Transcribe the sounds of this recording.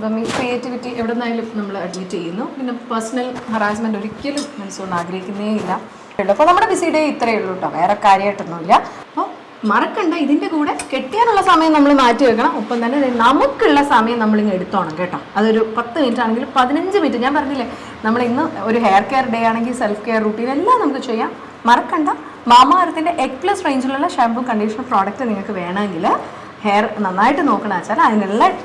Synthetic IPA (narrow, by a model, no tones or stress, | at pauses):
pːɐmːikrijeːtːiʋitːiʔeʋiɽenːaːɡilnɐmːɐɭɐɽiɲːitːt͡ɕejːunːupinːe̞pɐrsɐnɐlhɐraːs̬mɐndo̞ɾikʲːelumːɐnusuːrɐɳaːɡɾɐhikʲːunːɐeilːɐ | juɭːɐpːomnɐmːuɽebisiɽeit̪ːrɐjuɭːuɳːɖɐʋe̞ːrekaːɾjɐaʈːunːuilːɐɐpːoː | mɐrɐkːuɳɖɐiðinde̞kuːɽe̞ke̞ʈːijaːnuɭːɐsɐmɐjɐmnɐmːɐɭmaːtːɨʋekːɐɳɐmopːɐmt̪ɐnːe̞ɐðenɐmukːuɭːɐsɐmɐjɐmnɐmːɐɭinːe̞ɽut̪ːuʋaːɳɐmke̞ːʈːaːmɐðo̞ɾupɐt̪ːɨmitːaːɳeŋɡilpɐðinɐɲd͡ʑɨmitːɨɲaːnpɐrɐɲːilːe | nɐmːɐɭinːɨo̞ɾuɦejɐrkeːrɖejaːɳe̞ŋɡilselfkeːrːuːʈːiːnelːaːnɐmukːɨt͡ɕe̞jːaːmː | ɐrɐkːɐɳɖɐ | maːmaːɾɐt̪ːinde̞ʔekplɐsrejɲd͡ʑuɭuɭːɐʂaːmbuŋkɐɳɖiːʂɐnɐproːɽɐk̚tɨniŋːɐɭkːɨʋe̞ːɳɐeŋɡil | hejrnɐnːaːjiʈːɨno̞ːkːɐɳɐmaːt͡ɕːaːlɐðinelːɐ